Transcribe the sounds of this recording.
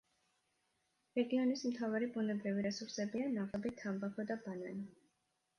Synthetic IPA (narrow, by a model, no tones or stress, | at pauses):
ɾɛɡiɔnismt̪ʰavaɾibunɛbɾiviɾɛsuɾsɛbianaʁɛbit̪ʰambakʰɔd̪abananɔ